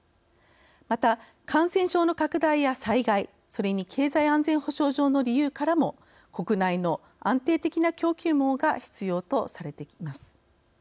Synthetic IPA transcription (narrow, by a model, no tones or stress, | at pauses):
mat̪a | kʰãsẽ̞ɰ̃ɕo̞ːno̞kakɯ̟d̪aijasaiɡai | so̞ɾe̞ɲ̟ikʰe̞ːzaiãnd͡zẽ̞ɰ̃ho̞ɕo̞ːʑo̞ːno̞ɾʲijɯ̟ːkaɾamo̞ | ko̞kɯ̟naino̞ | ãnt̪e̞ːt̪e̞kʲinakʲo̞ːkʲɨːmo̞ːɡaçi̥t͡sɨjo̞ːt̪o̞saɾe̞t̪e̞kʲimasɨ̥